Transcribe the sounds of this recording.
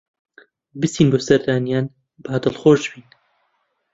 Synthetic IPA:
bɨsiːnboːsɐɾd̪aːnijaːn | baːd̪ɨlχoːʒd͡ʒbiːn

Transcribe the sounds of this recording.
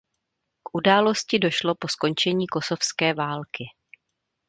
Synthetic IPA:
kʔudaːlo̞scɪdo̞ʃlo̞po̞sko̞nt͡ʃɛɲiːko̞so̞fskɛːvaːlkɪ

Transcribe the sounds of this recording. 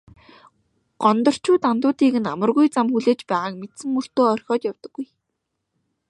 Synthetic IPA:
ɢ̥ɔnt̪ɞ̆r̥t͡ɕʰuːt̪ant̪ʊːt̪iːkɘ̆namə̆rɣujt͡samxuɮeːt͡ɕpæːʁaːk̚met̪sɘ̆ŋur̥t̪oːɔrʲxʲɔːt̪jawt̪ə̆ɡ̥ːuj

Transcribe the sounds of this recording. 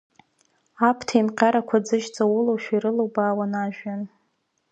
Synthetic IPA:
apʰtʰaimqʲʼaɾakʷʰad͡zɨʒd͡zʼawʊlowʃᶣaiɾɨlowbaːwanaʒᶣan

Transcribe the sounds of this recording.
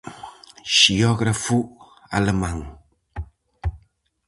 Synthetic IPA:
ʃiɔɡɾafu | a̰ləmaŋ

